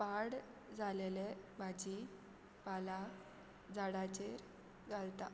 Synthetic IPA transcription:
paɽ | d͡zʱalelebʱad͡ʑi | pala | d͡zaɽat͡ɕeɾ | ɡalt̪a

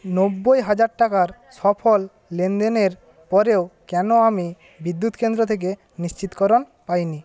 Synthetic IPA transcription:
nobːojɦad͡ʑaɾʈakaɾsɔpʰolː | end̪eneɾ | pɔɾeokɛnoami | bid̪ːut̪kend̪ɾot̪ʰek̬e | niʃt͡ɕit̪kɔɾon | pajni

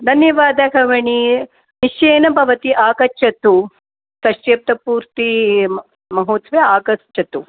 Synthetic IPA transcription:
d̪ʱɐnjɐʋaːd̪ɐɡɐʋɐɳi | niʃeːnɐbʱɐʋɐt̪iʔaːɡɐt͡ʃʰːɐt̪u | sɐʃeːp̚t̪ɐpuːɾt̪i | mɐɦoːt̪sʋeaːɡɐst͡ʃːɐt̪u

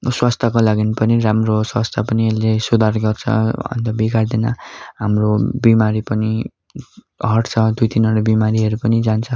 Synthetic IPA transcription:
swast̪ʰakolaɡinpʌniɾamroswast̪ʰapʌnielesud̪ʱarɡʌrt͡sʰʌ̰ʌ̰nt̪ʌbikard̪ina̰ɦamrobimaɾipʌni | ɦʌʈt͡sʰʌd̪ujt̪inʌɾobimaɾiʌɾupʌnid͡zant͡sʰʌ

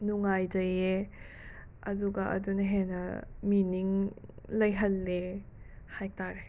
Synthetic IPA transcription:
nuŋajd͡ʒɐje | ɐduɡɐʔɐ̰dunɐɦenɐ̰miniŋ | lɐjɦɐlːe | haj̚taɾe

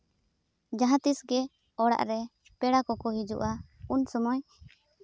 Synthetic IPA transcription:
d͡ʒaɦãt̪isɡɛ | ɔɽa̰ʔɾɛ | pɛɽakɔkɔɦid͡ʒṵʔaunsɔmɔj

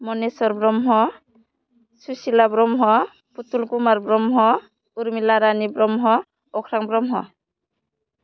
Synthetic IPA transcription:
mɔnesɔɾbɾɔmɦɔ | susilabɾɔmɦɔ | put̪ulkumaɾbɾɔmɦɔ | uɾmilaɾanibɾɔmɦɔ | ɔkʰɾaŋbɾɔmɦɔ̰

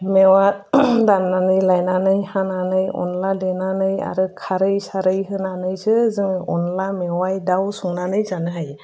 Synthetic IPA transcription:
mewadamnanɯjlajnanɯjhananɯjɔ̰nladenanɯja̰ɾɯkʰaɾɯjsaɾɯjɦɯnanɯjsɯzɯŋɯjɔnlamewajdawsuŋnanɯjzanɯɦaj

